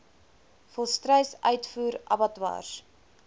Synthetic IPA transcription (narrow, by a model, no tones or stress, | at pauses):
fɔlˠstrœjsœɥtfuːɾʔɐ̰bɐtwɑ̰ːs